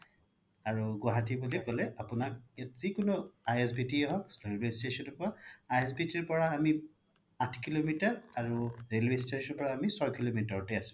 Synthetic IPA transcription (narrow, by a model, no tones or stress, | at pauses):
aɹuɡwaɦatibulikɔlɛapʊnak̚jatzikʊnɔajesbitiɛɦɔkɹelwestesɔnɔpɔɹaajes̬bitiɹpɔɹaːmi | atʰkilomitaɹaɹuɹelwesteɔɹpɔɹaːmisɔjkilomitaɹɔtɛasʊ̥̃